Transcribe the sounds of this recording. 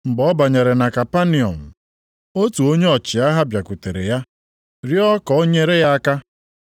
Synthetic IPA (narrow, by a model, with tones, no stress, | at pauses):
m̩˨bɔ˦ba˨ɲe˨ɾe˨na˨ka˨pa˦ni˨ɔ̰˨m̩˨ | o˦tu˨o˦ɲe˦ɔ˨t͡ʃɪ˨a˦ɦa˦bja˨kʷu˨te˨ɾḛ˨ja˦ | ɾi˦ɔ˦kɔ˨o˦ɲe˦ɾe˦ja˦a˦ka˦